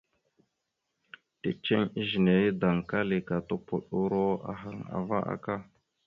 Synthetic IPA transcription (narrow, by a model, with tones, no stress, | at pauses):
tḛ˦t͡ʃe˦ŋi˦ʒi˨ne˨i˦da˨ŋka˦li˨ka˨to˦pu˨ɗu˦ɾo˦a̰˨ɦa˨ŋa̰˨va̰˦ʔa̰˦ka˦